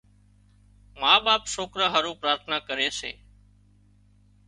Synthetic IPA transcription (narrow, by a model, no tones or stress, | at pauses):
mãːɓaːpsoːkɾəɦəɾũːpɾaːɾt̪ʰnaːkəɾeːsḛː